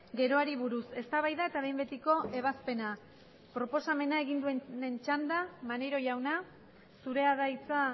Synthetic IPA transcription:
ɡe̞ɾo̞aɾiβuɾuse̞st̪aβajðae̞t̪aβe̞jmbe̞t̪iko̞e̞β̞aspe̞na | pɾo̞po̞same̞nae̞ɣind̪ue̞nnent͡ʃand̪amanejɾo̞ʝawna | suɾe̞aðajt͡sa

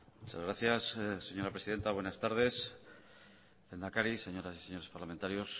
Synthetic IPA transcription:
mut͡ʃa̰zɣɾaθjassːe̞ɲo̞ɾapɾe̞siðe̞nt̪aβwe̞nast̪aɾð̞e̞s | lend̪akaɾise̞ɲo̞ɾasi̥se̞ɲo̞ɾe̞spaɾlament̪aɾjo̞s

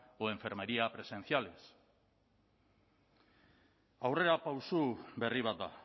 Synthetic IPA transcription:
oe̞ɱfe̞ɾme̞ɾiapɾe̞se̞nθiale̞s | awre̞ɾapawsube̞riβ̞at̪̚d̪a̰

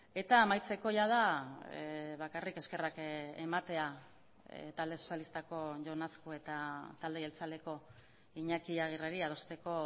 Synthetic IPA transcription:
e̞t̪aːmajt͡se̞ko̞ʝað̞a | βakarike̞ske̞rakemat̪e̞a | t̪ald̪e̞sosjalist̪ako̞ʝo̞naskoe̞t̪at̪ald̪eɣelt͡sale̞ko̞ | iɲakiaɣ̞ireɾiað̞o̞st̪e̞ko̞

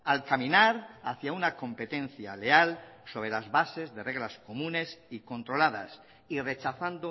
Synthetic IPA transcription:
alkamĩnaɾaθjaunako̞mpe̞t̪ẽ̞n̟θja̰le̞also̞β̞ɾe̞lazβase̞zðe̞re̞ɣlasko̞mũne̞siko̞nt̪ɾolaða̰s | ire̞t͡ʃaθand̪o

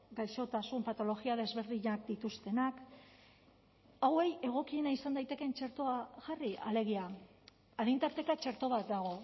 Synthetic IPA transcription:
ɡajso̞t̪asumpat̪o̞lo̞ɣiaðe̞zβe̞ɾðiɲak̚d̪it̪ust̪e̞nak | awe̞je̞ɣ̞o̞kie̞naisand̪ajt̪e̞ke̞nt͡ʃeɾt̪oaʝaria̰le̞ɣ̞ia | að̞int̪aɾt̪ekat͡ʃeɾt̪o̞β̞at̪̚d̪aɣ̞o̞

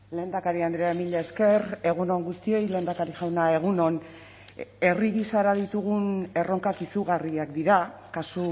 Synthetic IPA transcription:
le̞nd̪akaɾiand̪ɾeaemiʎaeske̞re̞ɣ̞uno̞ŋɡust̪io̞jle̞ːnd̪akaɾiʝawnae̞ɣ̞uno̞n | e̞riɣisaɾaðit̪uɣ̞une̞ro̞ŋkakisuɣariakd̪iɾakasu

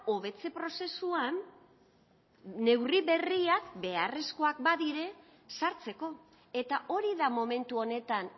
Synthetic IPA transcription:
o̞βe̞t͡se̞pɾo̞se̞suan | e̞wriβe̞riakbe̞are̞sko̞ak̚baðiɾe̞ | saɾt͡se̞ko̞ | e̞t̪aʔo̞ɾiðamo̞me̞nt̪uo̞ne̞t̪an

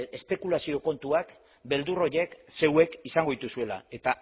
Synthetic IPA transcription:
e̞spe̞kulasio̞ko̞nt̪uak | be̞ld̪uro̞je̞kse̞we̞kisaŋɡo̞it̪usue̞la̰e̞t̪a

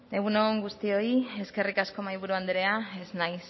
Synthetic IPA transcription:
eɣuno̞ŋɡust̪io̞ie̞ske̞rikasko̞majβuɾuand̪eɾeae̞znajs

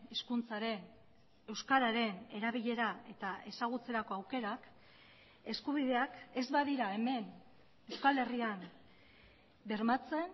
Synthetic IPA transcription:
eskunt͡saɾe̞n | e̞wskaɾaɾe̞ne̞ɾaβ̞iʎe̞ɾae̞t̪ae̞saɣ̞ut͡se̞ɾako̞awke̞ɾak | e̞skuβ̞iðe̞ake̞zβaðiɾae̞me̞n | e̞wskale̞riam | be̞ɾmat͡se̞n

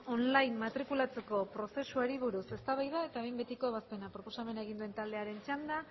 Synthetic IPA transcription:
o̞nlajmmat̪ɾikulat͡se̞ko̞pɾo̞se̞suaɾiβ̞uɾuse̞st̪aβajð̞ae̞t̪aβejmbe̞t̪iko̞βaspe̞napɾo̞po̞same̞naeɣind̪ue̞nt̪ald̪e̞aɾe̞nt͡ʃand̪a

